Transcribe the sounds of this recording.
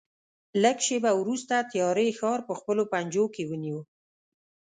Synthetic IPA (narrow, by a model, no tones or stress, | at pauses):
ləɡʃebawɾust̪at̪jɑɾexɑɾpəxpəlopand͡ʒokewəniwə